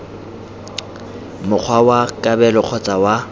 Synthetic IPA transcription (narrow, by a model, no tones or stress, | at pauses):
mʊk͡xʰwawakʼabɛlɔq͡χʰɔt͡sʼawa